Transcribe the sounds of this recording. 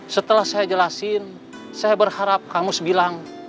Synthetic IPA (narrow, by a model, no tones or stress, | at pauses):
sət̪əlahsajad͡ʒəlasɪn | sajabərhaɾap̚kamʊsbilaŋ